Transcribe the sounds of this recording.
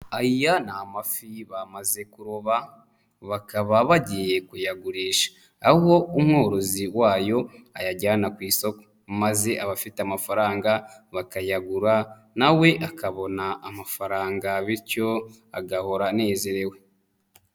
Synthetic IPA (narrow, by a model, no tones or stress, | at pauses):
ajijanamafiβamaze̞kuɾoβa | βakaβaβaɟije̞kujaɡuɾiːʃḁː | huho̞umŋo̞ːɾo̞ziwaːjo̞ajaɟaːnakwiːso̞ko̥ | maze̞aβafiteamafaɾaːŋɡaβakajaɡuɾa | nawe̞ʔakaβo̞naʔːmafaɾaːŋɡaβiɾco̞ | aɡaho̞ɾane̞ːze̞ɾe̞we